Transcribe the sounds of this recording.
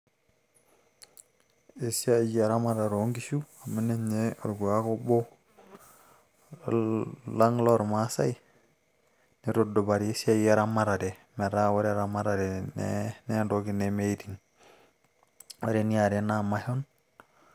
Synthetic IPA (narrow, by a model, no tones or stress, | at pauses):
esiajaɾamaɾaɾoŋɡiʃuamineɲeoɾɡuakobo | laŋloɾmasai | niɾodobaɾiesiajeɾamaɾademeɾawaɾeɾamaɾadenḛnendoɡinemeitiŋ | waɾeniaɾenamahon